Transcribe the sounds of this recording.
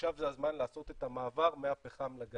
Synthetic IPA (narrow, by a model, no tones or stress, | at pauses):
ʃavzeazmanlaːso̞t̪et̪amaːvaʁmeapeχamlaɡa